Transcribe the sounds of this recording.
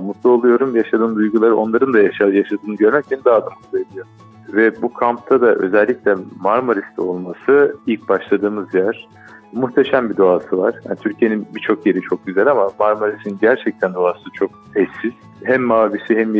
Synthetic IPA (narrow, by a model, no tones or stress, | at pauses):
mut̪lˠolˠujo̞ɾumjaʃad̪ɯːnd̪ujɡulˠaɾɯo̞nˠaɾɯnd̪ajaʃajaʃad̪ɯːnɯɟøɾmɛcʰænd̪aːd̪ɯmˠed̪ʲijoɾ | vɛbukʰamp̚t̪ʰad̪aʔø̞̰zɛlʲːicʲlʲɛmaɾmoɾist̪ʰɛo̞lˠmasɯilʲcbaʃlˠad̪ɯːmɯzjæɾ̥ | muxt̪ʰeʃæmbid̪oaːsɯvaɾ̥ja̰nit̪ʰyɾcʰije̞ninbit͡ʃʰo̞kje̞ɾit͡ʃʰo̞k̚ɟyzælʲamamaɾmoɾisinnɟæɾt͡ʃʰɛc̚t̪ʰænd̪oaːsɯt͡ʃʰo̞k̚ | ɛsiz̥ | ɦæmːaːvisiɦɛm